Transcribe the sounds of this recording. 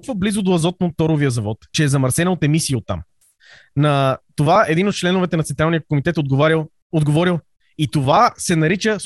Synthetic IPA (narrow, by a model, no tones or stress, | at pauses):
kvəblizʊd̪oɐzɔt̪̚not̪ːɔɾovijəzɐvɔt̪t͡ʃɛːzɐmɐɾsɛnot̪ɛmisiːot̪ːa̰m | nɐt̪ovaɛd̪inot̪̚t͡ʃlɛnʊvɛt̪ɛnɐt̪ɛnt̪ɾalˠnijəkomit̪ɛt̪od̪ɡɾi | od̪ɡovɔɾilˠ | it̪ovasɛnɐɾit͡ʃə